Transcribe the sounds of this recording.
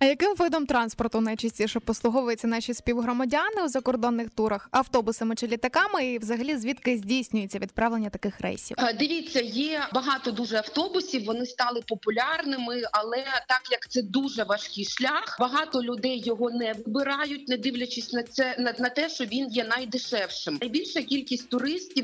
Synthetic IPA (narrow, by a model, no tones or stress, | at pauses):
ɐjɐkɪmʋɪd̪ɔmt̪ɾɑnspɔrt̪ʊnɐjt͡ʃisʲtʲiʃɛpɔslˠʊɦɔʋʊjet͡sʲːɐnɑʃʲisʲpʲiwɦɾɔmɐdʲanɪwzɐkɔrd̪ɔnːɪxt̪uɾɐxɐwt̪ɔbʊsɐmɪt͡ʃɪlʲit̪ɐkɑmɪiwzɐɦɐlʲizʲʋʲit̪kɪzʲdʲijsʲnʲʊjet͡sʲːɐʋʲid̪̚pɾɑʋlˠenʲːɐt̪ɐkɪxrɛ̰jsʲḭwd̪ɪʋʲit͡sʲːɐjɛbɐɦɑt̪ɔd̪uʒɛɐwt̪ɔbʊsʲiwʋɔnɪst̪ɑlˠɪpɔpʊlʲarnɪmɪɐlˠɛt̪ɑkjɐkt̪sɛd̪uʐɛʋɐʃkʲɨjʃlʲaxbɐɦɑt̪ɔlʲʊd̪ɛjːɔɦɔnɛʋɪbɪɾɑjʊt̚ʲnɛd̪ɪwlʲɐt͡ʃɪsʲnɐɛnɐnɐt̪ɛʃt͡ʃɔʋʲinjɛnɐjd̪ɪʃɛwʃɪmɐjbʲilʲʃɐkʲilʲkʲisʲtʲt̪ʊɾɪsʲtʲiw